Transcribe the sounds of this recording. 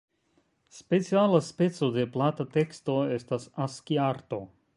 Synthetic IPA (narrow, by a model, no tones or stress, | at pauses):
spe̞t͡sialaspe̞t͡so̞de̞platate̞ksto̞e̞stasaskiaɾto̞